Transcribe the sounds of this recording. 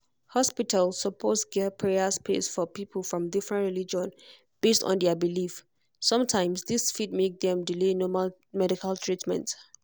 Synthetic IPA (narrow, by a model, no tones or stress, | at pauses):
hɔspitʰalsːəpʰɔtɡɛpʰɹɛaspʰḛsfɔpipʰəlˠfɹɔ̃mdifɹɛ̃ntɹilid͡ʒɔ̃n | b̥estɔ̰̃ndɛəbilif | sʌ̃mtʰãɪ̃msðisfit̚mek̚ðɛ̃mdilenɔmal | mɛɾikʰaltʰɹitmɛ̰̃nt